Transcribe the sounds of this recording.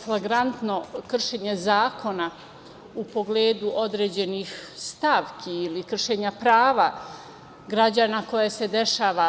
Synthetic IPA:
flˠaɡɾant̪no̞kr̩ʃe̞ːɲe̞zaːkʰo̞na | upo̞ɡleːd̪uʔo̞d̪ɾed͡ʑe̞nihst̪aʋkʰiilikr̩ʃeɲapɾaːʋa | ɡɾad͡ʑaːnako̞jase̞d̪e̞ʃaːʋa

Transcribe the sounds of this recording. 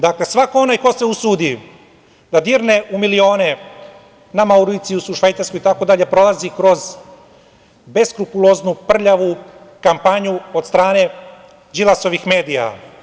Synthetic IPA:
d̪akle̞sʋako̞onajko̞se̞usuːd̪i | d̪ad̪iːɾneʔumilio̞ːne̞ | namauɾiːt̪sijusuʃʋajt̪saɾsko̞jit̪ako̞d̪aʎe̞pɾo̞lˠazikɾo̞z | be̞skɾupulˠoznupr̩ʎaʋu | kampaɲuo̞d̪st̪ɾaːne̞ | d͡ʒilaso̞ʋixme̞ːd̪ija̰

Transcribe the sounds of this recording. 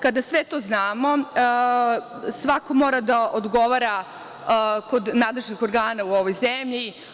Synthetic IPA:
kad̪asʋet̪o̞ːznaːmo̞ | sʋako̞mo̞ːɾad̪aʔod̪ɡo̞ʋaɾa | ko̞d̪naːd̪lˠeʒnixo̞ɾɡaːnauoʋo̞jzemʎi

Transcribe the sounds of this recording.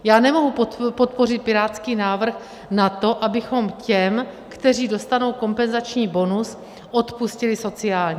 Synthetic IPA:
jaːnɛmo̞ɦupopot̪po̞rɪt̪̚pɪɾaːt͡skiːnaːvr̩x | nat̪o̞ʔabɪxo̞mcɛm | kt̪ɛr̝iːdo̞st̪ano̞wko̞mpɛnzat͡ʃɲiːbo̞nus | ʔo̞t̪puscɪlɪso̞t͡sɪaːlɲi

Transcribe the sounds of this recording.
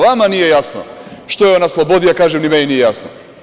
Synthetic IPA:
ʋamanije̞jasno̰ʃt̪ojeonaslˠobod̪ijakaːʒemnimeninijejasno̰

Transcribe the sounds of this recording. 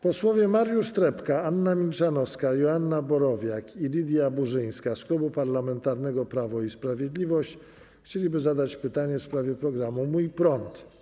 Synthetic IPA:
pɔswɔvʲjɛmaɾjuʂt̪ɾɛpkaanːamʲilt͡ʂanɔfskajɔanːabɔɾɔvʲjakilʲid̪ʲjabuʐɘj̃skasklubupaɾlamɛnt̪aɾnɛɡɔpɾavɔispɾavʲjed̪lʲivɔɕt͡ɕ | xt͡ɕelʲibɘzad̪at͡ɕpɘt̪aɲɛfspɾavʲjɛpɾɔɡɾamumujpɾɔnt̪

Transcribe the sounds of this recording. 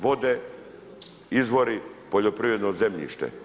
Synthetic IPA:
ʋod̪e | izʋoɾipoʎopɾivɾed̪nozemʎḭʃt̪ḛ

